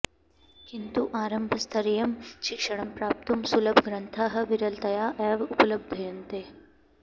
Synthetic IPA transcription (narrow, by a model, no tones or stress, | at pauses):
kint̪uʔaːɾɐmbʱɐst̪ʰɐɾijɐmʃikʂɐɳ̃ɐmpɾaːp̚t̪umsulɐbɡɾɐnt̪ʰaːɦɐ̆ʋiɾɐlt̪ɐjaːʔɛːʋupɐlɐb̚d̪ʱɐjɐnt̪eː